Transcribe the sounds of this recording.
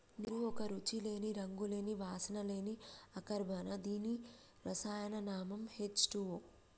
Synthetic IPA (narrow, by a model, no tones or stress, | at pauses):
niɾuɔkɐɾut͡ʃile̞ːniɾɐŋɡule̞ːniʋaːsɐnɐle̞ːniɐkɐɾbʱɐnɐd̪iːni | ɾɐsaːjɐnɐnaːmɐmhet͡ʃʈuʋo